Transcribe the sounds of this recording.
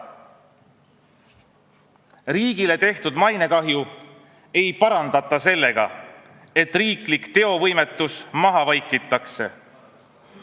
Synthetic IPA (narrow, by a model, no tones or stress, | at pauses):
riːɡ̥ile̞t̪e̞ht̪ud̪mɑjne̞kɑɦju | e̞jpɑɾɑnd̪̥ɑt̪ːˑɑse̞lːe̞ɡ̥ɑ̰ | e̞t̪ːˑriːklikt̪e̞o̞vɤ̞jme̞t̪ːˑusmɑɦɑvɑjkːˑit̪ːˑɑkse̞̰